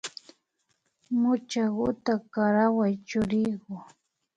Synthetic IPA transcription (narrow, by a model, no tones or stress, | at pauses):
mʊt͡ʃaɢʊt̪akaɾawajt͡ʃʊɾɪjɢʊ